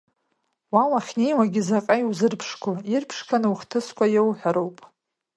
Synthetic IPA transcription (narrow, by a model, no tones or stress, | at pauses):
wawaχʲnejwaɡʲizaqʼajiwzɨrpʰʂkʷʰoirpʰʂkʰanɨuχtʰɨskʷʰʼajewħʷᶣaɾo̞wpʼ